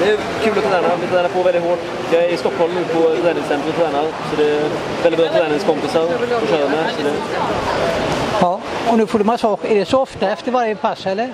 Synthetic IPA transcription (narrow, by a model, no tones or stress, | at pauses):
d̪ɛæɾ | kʰʉːlɔt̪ʰɑːd̪æːɳɑʋɪt̪ʰɑd̪æɳəpʰoːɾʋɛlɪhoːʈ | jɑɪæɾɪst̪ɔkːhɔlmnuːpɔt̪ɑæːnɪŋsɛnt̪ɾəmt̪ʰɑːd̪æːɳɑsɔd̪ɛ | ʋɛldɪbɾɑːt̪ʰɑd̪æːnɪŋskɔmpɪsɑɾɔʂœəməsɔd̪ɛ | hɑːɔnʉːfoːɖʉmɑsɑkɛɖɛsɔɔft̪əɛft̪əɾʋaɾjəpʰasɛlːəɾ